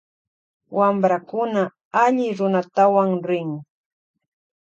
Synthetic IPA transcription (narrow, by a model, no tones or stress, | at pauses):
wambɾakʊna | aʎɪɾʊnat̪awaŋɾɪŋ